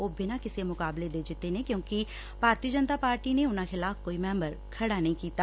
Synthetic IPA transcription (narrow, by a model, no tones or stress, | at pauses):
oːbʱɪnãːkɪseːmʊkaːbleːd̪eːd͡ʒɪt̪ːeːneːkjõːkɪ | bʱaːɾt̪iəd͡ʒənt̪aːpaːɾʈiːneːʊnãxɪlaːfkoːiːmɛ̃ːmbəɾkʰəɽaːnəɦĩːkiːt̪aː